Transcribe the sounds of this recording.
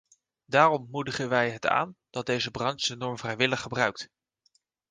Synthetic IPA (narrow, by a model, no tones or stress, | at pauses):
daːrɔmmudəχənʋɛjɦəta̰ːnd̥ɑt̚dejzəbrɑnsdənɔɹmvrɛjʋɪləχːəbrœɥk̚t